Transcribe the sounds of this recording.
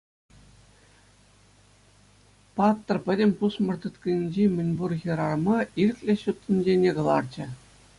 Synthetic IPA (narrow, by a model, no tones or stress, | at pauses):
pɑt̪ːɤ̆rpʲɘ̆dʲemʲpusmɤ̆rt̪ɤ̆t̪kʲɘ̆nʲinʲd͡ʑemʲɘ̆nʲburɣʲɤ̆ɾɑrmɑirʲɘ̆kʲlʲeɕut̪ʲːĭnʲd͡ʑenʲeɡɤ̆lˠɑrt͡ɕɘ̆